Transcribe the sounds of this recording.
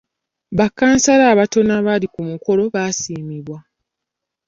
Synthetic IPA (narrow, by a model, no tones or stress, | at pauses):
βakːaːnsalaːβato̞naβalikumuko̞lo̞βasiːmiβwa